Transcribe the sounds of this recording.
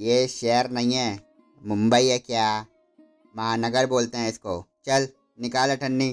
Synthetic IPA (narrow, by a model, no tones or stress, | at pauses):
jeʃeɦəɾnɐɦĩɦɛ̃ː | mʊ̃mbəiɦɛkjaː | mɐɦaːnɐɡəɾboːlt̪eɦɛ̃ɪskot͡ʃɐl | nɪkaːleʈʰɐnːiː